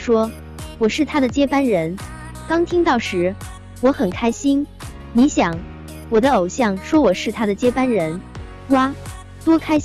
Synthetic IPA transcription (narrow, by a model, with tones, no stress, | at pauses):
ʂwɔ˥ | wɔ˨˩ʂɻ̩˥˩t̪ʰa˥d̪ə˨t͡ɕjɛ˥pa˥nɻə˧˥n | kɑ˥ŋt̪ʰi˥ŋt̪ɑ˥˩ʊʂɻ̩˧˥ | wɔ˧˥xə˨˩nkʰa˥ɪɕi˥n | ni˧˥ɕjɑ˨˩˦ŋ | wɔ˨˩d̪ə˦o˨˩ʊɕjɑ˥˩ŋʂwɔ˥wɔ˨˩ʂɻ̩˥˩t̪ʰa˥d̪ə˨t͡ɕjɛ˥pa˥nɻə˧˥n | wa˥ | t̪wɔ˥kʰa˥ɪ